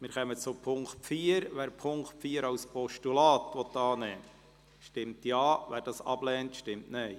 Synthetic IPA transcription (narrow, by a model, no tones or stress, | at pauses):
mɪːɾχɛmət͡sʊpʰʊŋktfiːəɾʋæːɾpʰʊŋktfiːəɾɑwspɔʃtulɑːtʋɔtːɑːnɛː | ʃtɪmtjɑːʋæːɾd̥ɑːsɑ̰b̥lɛːntʃtɪmtnɛɪ